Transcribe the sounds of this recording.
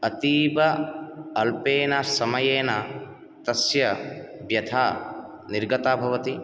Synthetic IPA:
ɐt̪iːbɐɐlpeːnasɐmɐjeːnɐ | t̪ɐsjɐbjɐt̪ʰaː | niɾɡɐt̪aːbʱɐʋɐt̪i

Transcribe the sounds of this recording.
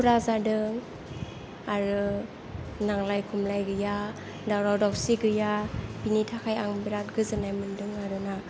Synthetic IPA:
ɾazadɯŋ | aɾɯ | naŋlajkʰumlajɡɯja | dawɾawdawsiɡɯjabinitʰakʰajaŋbiɾat̚ɡɯzɯnajmɯndɯŋaɾɯna

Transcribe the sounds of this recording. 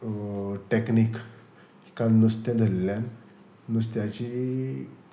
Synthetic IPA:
ʈeknik | i̥kãnnust̪jãd̪ʱəlːjanː | ust̪jat͡ɕi

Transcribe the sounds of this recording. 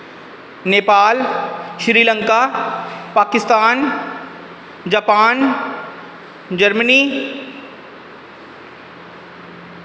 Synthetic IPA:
neːpaːlʃɾiːlə̃ŋkapaːkɪst̪aːn | d͡ʒaːpaːn | d͡ʒɐɾməniː

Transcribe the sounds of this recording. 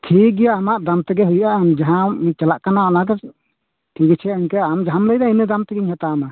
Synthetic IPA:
t̪ʰik̚ɡɛjaːmaʔd̪amt̪ɛɡɛɦujʔaʔnd͡ʒaɦãit͡ʃalaʔkanaɔnakɛ | t̪ʰiɡɛt͡ʃʰɛəɲkɛamd͡ʒaɦamləjd̪ainɛd̪amt̪ɛɡɛɲɦɛt̪ama

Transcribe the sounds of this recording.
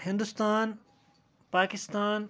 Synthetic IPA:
hɪ̃nd̪ʊst̪aːn | paːkɪst̪aːn

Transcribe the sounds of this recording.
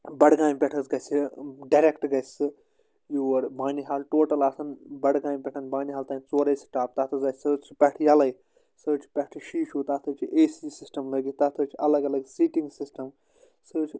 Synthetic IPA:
bɐɽɡãːnpʲɛʈʰɐzɡɐsiɖɐɾekʈɡɐsʲɨ | juɐɾbaːniɦaːlʈoːʈɐlaːsʰɐnbɐɽɡãːnpʲɛʈʰɐnbaːniɦaːlt̪ãːnit͡soːɾeːsi̥ʈaːp̚t̪aːt̪ʰɨzaːsəːt͡ʃʰpʲɐʈʰjɐlɐj | səːt͡ʃʰpʲɐʈʰɨʃiːʃuːt̪aːt̪ʰɨt͡ʃʰiʔeːsisisʈɐmləɡit̪aːt̪ʰɨt͡ʃʰɐlɐɡɐlɐɡsiːʈĩŋɡsisʈɐm | sɨːt͡ʃʰ

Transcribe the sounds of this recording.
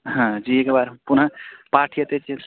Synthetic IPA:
ɦãd͡ʒiekbaɾpunapaɾʈʰijət̪et͡ʃi

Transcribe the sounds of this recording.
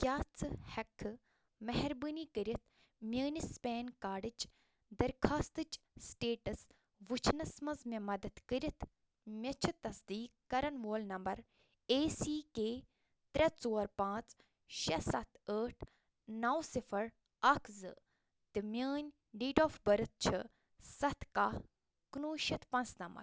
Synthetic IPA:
kʲaːt͡sɨhɐkʰːɨ | mɐɦɐɾbɨniːkəɾit̪̚ʰ | mʲəːnispeːnkaːɖɨt͡ʃ | d̪ɐɾkʰaːst̪ɨt͡ʃ | sʈeːʈɐs | ʋɨt͡ʃʰnɐsmɐzmẽmɐd̪ɐt̪kəɾʲit̪ʰ | mʲɐt͡ʃʰɨt̪ːɐsd̪iːkːɐɾɐnʋoːlnɐmbɐɾ | eːsiːkeː | t̪ɾʲɐt͡soːɾpãːt͡s | ʃɐsɐt̪ʰəːʈʰ | nɐwsifʰɐɾ | ɐkʰzɨ̰ | t̪ɨmʲəːnʲ | ɖiːʈoːfbɐɾɨt̪̚t͡ʃʰɨ | sɐt̪ka | knuːʃɐt̪pɐnt͡snɐmbɐ̰ɾ

